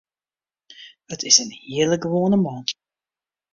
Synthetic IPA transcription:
ətɪsənhiələɡəʋoːnəmɑːnt

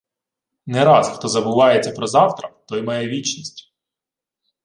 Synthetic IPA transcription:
nɛɾɑsxt̪ɔzɐbʊʋɑjet͡sʲːɐpɾɔzɑwt̪ɾɐt̪ɔjmɑjɛʋʲit͡ʃnʲisʲtʲ

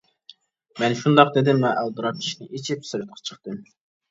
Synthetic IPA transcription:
mɛnʃund̪ɑq̚d̪ed̪ɪmlɛʔælˠd̪ɨɾɑp̚kʲʰi̥ʃinɪʔit͡ʃʰipsɪɾɨt̪̚qʰɑ̥t͡ʃʰə̥χt̪ɨm

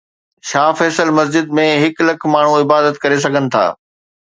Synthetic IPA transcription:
ʃaːfɛːsəlmɐsd͡ʑɪd̪mẽɦɪklɐkʰmaːɳ̤ũɪbaːd̪ət̪kɐɾes̬ɐɡʱənɪ̆t̪ʰa̰ː

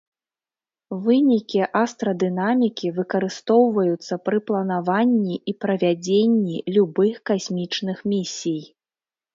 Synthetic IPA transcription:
vɨnʲikʲiʔast̪ɾɐd̪ɨnamʲikʲivɨkɐɾɨst̪ɔwvɐjut̪sːɐpɾɨplˠɐnavanʲːiʔipɾɐvʲad͡zʲenʲːilʲubɨxkasʲmʲit͡ʂnɨxmʲisʲij

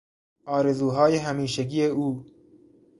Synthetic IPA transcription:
ɒːɾezuːɦɒːjeɦæmiːʃeɡijeuː

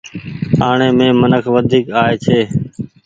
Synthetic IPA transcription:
aːɳeːmẽːmənəkʰʋəd̪ʱiːkaːeːt͡ʃʰeː

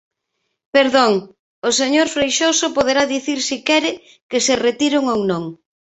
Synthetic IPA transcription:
peɾðoŋ | oseɲoɾfɾejʃosopoð̞eɾaðiθiɾsikɛɾɪ | kɪseret̪iɾʊŋownõŋ

